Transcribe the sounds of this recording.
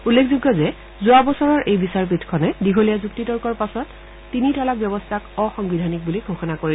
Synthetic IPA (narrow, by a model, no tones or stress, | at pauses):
ulːekʰzuɡːɔzɛ | zʊabɔsɔɹɔɹʔejbisaɹp̬itʰkʰɔnɛdiɡʱolijazuktitɔɹkɔɹpasɔtː | initɔlak̚bjɔbɔstʰakɔxɔŋbidʱanik̚buliɡʱoxɔnakoɹil